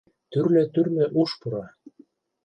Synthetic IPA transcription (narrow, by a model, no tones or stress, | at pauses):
t̪yrlĕt̪yrmĕʔuʃpuɾɑ